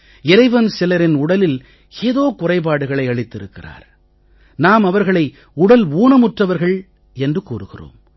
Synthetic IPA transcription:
ɪɾɐɪʋɐnsɪlɐɾɪnʊɽɐlɪl | eːðoːkʊrɐɪp̬aːɽɯɣɐɭɐɪɐɭɪt̪ːɪɾɯkːɪra̰ːɾ | naːmɐʋɐɾɣɐɭɐɪ | ʊɽɐluːnɐmʊʈrɐʋɐɾɣɐɭ | ɛndrɯkuːrɯɣɪro̰ːm

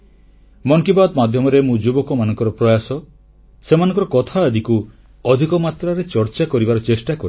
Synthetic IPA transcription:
mɔŋkibad̪mad̪ʱjɔmɔɾemũd͡ʒubɔkɔmanɔŋkɔɾɔpɾɔjasɔ | semanɔ̃ŋkɔɾɔkɔt̪ʰaed̪iku | ɔd̪ʱikɔmat̪ɾaɾet͡ʃɔɾt͡ʃakɔɾibaɾɔt͡ʃesʈakɔɾ

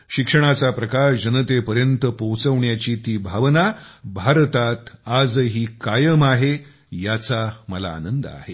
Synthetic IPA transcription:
ɕikʂəɽ̃at͡sapɾəkaʂd͡ʑənət̪epəɾjənt̪əpowt͡səʋɳjat͡ɕiːt̪iːbʱaʋnabʱaɾt̪at̪ad͡zɦiːkajəmaɦe | jat͡saməla̰ːnənd̪əa̰ɦe

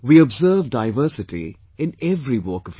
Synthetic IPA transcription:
wiːɔbzəːvdaɪvəːsɪʈḭ | ɪ̃nɛvɾiwəːkəv

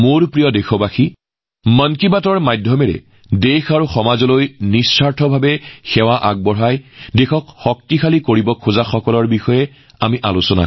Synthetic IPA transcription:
moɹpɹijɔdexɔbaxi | mɔnkibatɔɹmajdʱjɔmɛɹɛ̰ | dexaɹuxɔmazɔlojnisːaɹtʰɔbʱabɛxɛwaʔa̰ɡ̚bɔɹajdexɔkxɔk̚tixʰalikoɹibɔkʰuzaxɔkɔlɔɹbixɔjɛ | amiʔalʊsɔna̰

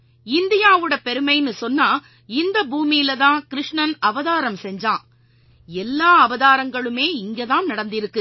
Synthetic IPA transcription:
ɪnd̪ɪjaːʋɯɽɐpɛɾɯmɐɪnːɯsɔnːaː | ɪnd̪ɐbuːmɪjɪlɐtðãːkɪɾɪʂɳɐnɐʋɐðaːɾɐmsɛɲd͡ʒãː | ɛlːaːɐʋɐðaːɾɐŋɡɐɭɯmeːɪŋɡeːðãːnnɐɽɐnd̪ɪɾɯkːɯ

